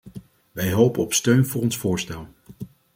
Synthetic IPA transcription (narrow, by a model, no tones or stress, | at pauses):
ʋɛjɦowpəɔpstøɥnvʊːrɔnsfʊːɹstɛlˠ